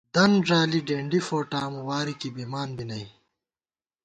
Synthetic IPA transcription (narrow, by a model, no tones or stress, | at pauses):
d̪ɐnʐaːliɖeːɳɖifoːʈaːmuwaːɾikibimaːnbinɐi